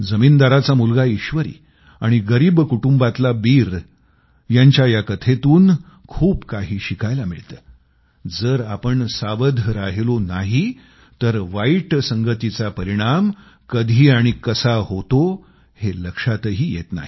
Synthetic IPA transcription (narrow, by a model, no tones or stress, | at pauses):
d͡zəmiːnd̪aɾat͡samulɡaiɕʋəɾḭː | aɽ̃iɡəɾiːbkuʈumbat̪labiːɾ | jaɲt͡ɕjajakət̪ʰet̪uːn | kʰuːpkaɦiːɕikajlamiɭt̪əː | d͡zəːɾapəɳsaʋəd̪ʱɾaɦelonaɦi | t̪əɾʋaiʈsəŋɡət̪it͡sapəɾiɽ̃am | kəd̪ʱiːaɽ̃ikəsahot̪o | heləkʂat̪əɦiːjḛt̪na̰ɦi